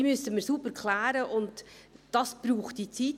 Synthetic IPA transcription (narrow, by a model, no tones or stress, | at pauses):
mʏsəməsubəɾkʰlæːɾəʔʊntd̥ɑsb̥ɾuːχt̚d̥it͡siːt